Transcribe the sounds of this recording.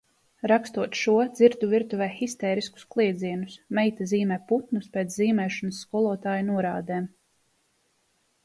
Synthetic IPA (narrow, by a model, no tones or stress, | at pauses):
ɾakst̪uɔt̪ʃuɔd̪ziɾt̪uviɾt̪uvɛːxist̪ɛːɾisku̥sklˠiɛd̪ziɛnusmɛjt̪aziːmɛːput̪nuspeːt̪sziːmɛːʃɔnəsːkɔlˠuɔt̪aːjnuɔɾaːd̪eːm